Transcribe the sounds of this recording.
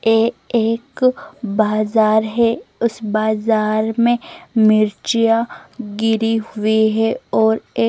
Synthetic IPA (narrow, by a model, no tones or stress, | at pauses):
eːeːkbaːzaːɾɦɛʊsbaːzaːɾmẽmɪɾt͡ʃjaɡɪɾiɦʊiɦɛɔːɾeː